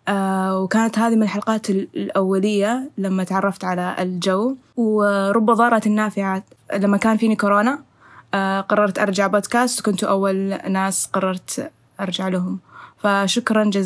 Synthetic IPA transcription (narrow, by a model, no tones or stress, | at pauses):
ʔwkaːnat̪haːðimɪnɪlħalqɑːt̪llʔawːalɪjːalamːat̪ʕɑrˤːɑft̪ʕalaɪ̰ld͡ʒaw | wɾˤʊbːɑðˤɑːɾˤɑt̪nːaːfɪʕalamːakaːnfiːnikʊɾoːna | qɑrˤːɑɾˤt̪ʔɑɾˤd͡ʒaʕboːd̪kaːst̪kʊnt̪uʔawːalnaːsqɑrˤːɑɾˤt̪ | ʔɑɾˤd͡ʒaʕlaɦʊmfaʃʊkɾˤɑnd͡ʒaz